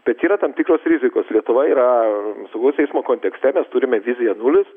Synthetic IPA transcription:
b̥ʲɛt̪iːɾɐt̪ɐmt̪ʲiːkroːsɾʲɪzʲɪkoːslʲiɛt̪ʊʋɐiːɾɐsɐʊɡɐʊsʲɛɪsmoːkoːnʲt̪ʲɛksʲt̪ʲɛmʲɛst̪uɾʲɪmʲɛʋʲɪzʲɪjɛnulʲɪs

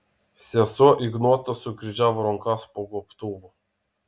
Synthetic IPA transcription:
sʲɛsɔʔiɡnɔt̪asukɾid͡ʒavɾɔŋkaspɔɡɔpt̪uvɔ

